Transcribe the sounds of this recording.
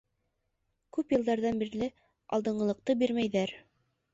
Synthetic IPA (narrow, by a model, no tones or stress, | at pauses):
kʉpjɤ̆lˠd̪ɑɾðɑnbiɾlɘ | ɑ̰lˠd̪ɤ̆ɴɢɤ̆lˠɤ̆q̚t̪ɤbiɾmæjðæɾ